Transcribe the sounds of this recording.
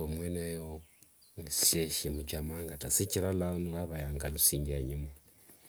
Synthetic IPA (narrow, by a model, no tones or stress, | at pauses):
omwenejo | sʃeʃemut͡ʃamaŋɡatasiciɾalanuaβajaŋɡalusiːɲɡiaɲime